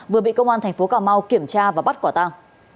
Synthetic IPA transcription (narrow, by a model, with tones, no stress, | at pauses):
vɨ˨˩əɓḭ˧˨kə˧wŋ͡mʔaː˧nt̪ʰŋ̟fo˨˦kaː˧˩wma˧wki˧˩əmt͡ɕaː˧vaː˨˩ɓa˦˥t̚kɔ˧˩t̪aː˧ŋ